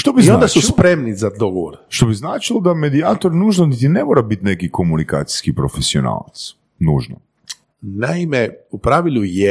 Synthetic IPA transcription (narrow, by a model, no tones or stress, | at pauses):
ʃt̪obizod̪asulspɾemnizad̪oɡoʋoɾʃt̪obiznaːt͡ʃilˠod̪ame̞d̪iaːt̪oɾnuːʒnonit̪̬inemoːɾabit̪nekiko̞munika̰ːt̪i̥skipɾofesio̰na̰ːlˠa̰t̪s | nuːʒno̰ | naimeupɾaʋiluje